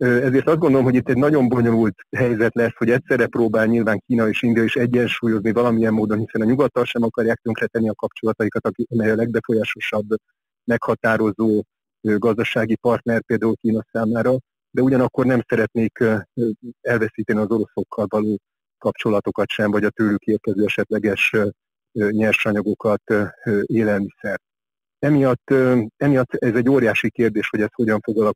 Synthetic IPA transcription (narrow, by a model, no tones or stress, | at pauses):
øɛzeːrt̪ɒzd̪ɡond̪oomɦo̞ɟit̪ːɛɟnɒɟo̞mbo̞ɲo̞lult̪hɛjzɛt̪lɛsho̞ɟɛt̪sɛrːɛproːbaːlɲilvaːŋkiːnɒeːʃind̪ijɒeiʃɛɟːɛnʃuːjo̞znivɒlɒmiɛmːoːd̪o̞nhisɛnɒɲuɡɒt̪ːɒlʃɛmɒkɒrjaːk̚t̪øŋkrɛt̪ɛnːiɒkɒpt͡ʃo̞lɒt̪ɒjikɒt̪ɒkiɒmɛjɒlɛɡ̚bɛfo̞jaːʃo̞ʃɒbː | mɛkhɒt̪aːɾo̞zoː | øɡɒzd̪ɒʃaːɡipɒrt̪nɛr̚peːld̪aːulkiːnɒsaːmaːɾɒ | d̪ɛuɟɒnɒkːo̞rnɛmsɛɾɛt̪neːk | ɛlvɛsiːt̪ɛniɒzo̞ɾo̞so̞kʰːɒlvɒloː | kɒpt͡ʃo̞lɒt̪o̞kɒt̪ʃɛɱvɒɟɒt̪øːlykeːrkɛzøːɛʃɛt̪lɛɡɛʃ | ɲɛrʃɒɲɒɡo̞kɒt̪ʔeːlɛlmisɛrt̪ | ɛmijɒt̪ːɛmijɒt̪ːɛzɛɟːoːɾjaːʃikeːrd̪eːʃho̞ɟɛst̪ho̞ɟɒɱfo̞ɡɒlɒk